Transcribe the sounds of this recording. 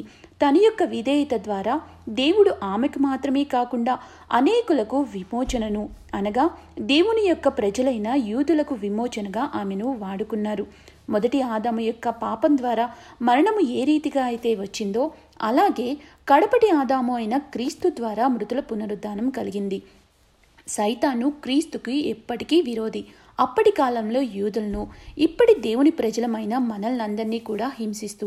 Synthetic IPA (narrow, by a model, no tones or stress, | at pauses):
t̪ɐnɐjɔkːɐʋid̪ɛːjit̪ɐd̪ʋaːɾaː | d̪e̞ːwuɽuʔaːmekimaːt̪ɾɐme̞ːkaːkuɳɖaː | ɐ̰ne̞ːkulɐkuʋimɔːt͡ʃɐnɐnuɐnɐɡaː | d̪e̞ːwunijɔkːɐpɾɐd͡ʒɐlɐjnɐjuːd̪ulɐkuʋimɔːt͡ʃɐnɐɡaːʔaːmenuʋaːɽukunːaːɾu | mɔd̪ɐʈiaːd̪aːmujɔkːɐpaːpɐmd̪ʋaːɾaːmɐɾɐɳɐmue̞ːɾiːt̪iɡaːjit̪e̞ːʋɐt͡ʃːind̪o̞ː | ɐ̰laːɡe̞ː | kɐɽɐpɐʈiaːd̪aːmuɐjnɐkɾiːst̪ud̪ʋaːɾaːmɾut̪ulɐpunɐɾud̪aːnɐmkɐliɡind̪i | sɐjt̪aːnukɾiːst̪ukiɛpːɐʈikiːʋiɾo̞ːd̪i | ɐpːɐʈikaːlɐmlo̞ːjuːd̪ulɐnuipːɐʈid̪e̞ːwunipɾɐd͡ʒɐlɐmɐjnɐmɐnɐlnɐnd̪ɐɾniːkuːɽaːɦimsist̪u